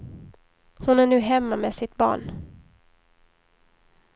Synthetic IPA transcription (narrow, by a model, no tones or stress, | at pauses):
hʊnæɳʉ̟ːɦɛmːamɛsɪt̪bɑ̰ːɳ